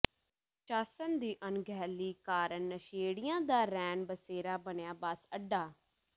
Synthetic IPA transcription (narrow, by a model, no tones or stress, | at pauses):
t͡ʃaːsənd̪iːʔənɡʱɛːliːkaːɾənːəʃeːɽɪjãːd̪aːɾɛːnbəseːɾaːbənjaːbasəɖːaː